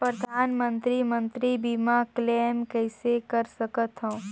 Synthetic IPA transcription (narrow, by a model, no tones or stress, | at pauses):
pɾəd̪ʱaːnmə̃nt̪ɾimə̃nt̪ɾibimakleːmkɛɪsekɐɾsɐkət̪ɦõũ